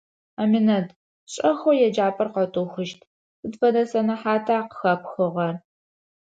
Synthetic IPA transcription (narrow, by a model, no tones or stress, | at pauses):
amɪnɐd | ɕʼɐxojɛd͡ʒaːpʼɐrqɐtʼuxɨʃtʰ | sɨdfɐdɐsɐnɐħaːtʰaːqə̥xɐpxɨʁɐr